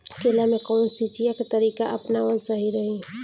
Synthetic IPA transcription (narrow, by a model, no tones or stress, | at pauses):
kelamekəʊnsit͡ʃijaket̪əɾikaʔəpnaʋəlsəɦiɾəɦi